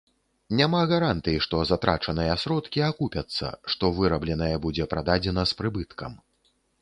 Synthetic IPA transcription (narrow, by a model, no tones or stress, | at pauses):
nʲamaɣaɾant̪ɨjiʂt̪ɔzat̪ɾa̰t͡ʂɐnɨjɐsɾɔt̪kʲiakupʲɐt̪sːɐ̰ʂt̪ɔvɨɾɐblʲɛnɐjɐbud͡zʲɛpɾad̪ad͡zʲɛnɐspɾɨbɨt̪kʰɐ̰m